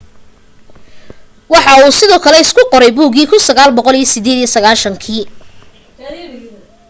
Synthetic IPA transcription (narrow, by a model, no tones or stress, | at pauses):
wɑħɑuːsɪðɔːkʰɐlɛɪskʰʊqɔɾɛjbuːɡiːkʰʊnsɐɣaːlbɔqɔlijɐsɪd̪ɛːðijɐsɐɣaːʃɐŋkʰiː